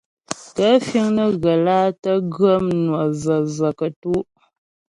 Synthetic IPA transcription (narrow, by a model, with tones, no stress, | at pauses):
tə˦fi˦ŋnə˨ɣə˨laː˦tə˦ɡə˦mnwɔ˨zə˨zə˨kə˨tu˦ʔ